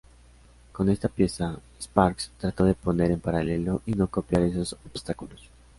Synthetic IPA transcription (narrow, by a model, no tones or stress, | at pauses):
ko̞ne̞st̪apje̞saespaɾkst̪ɾat̪o̞ðe̞po̞ne̞ɾe̞mpaɾale̞lo̞ʔino̞ko̞pjaɾe̞sosobst̪akulos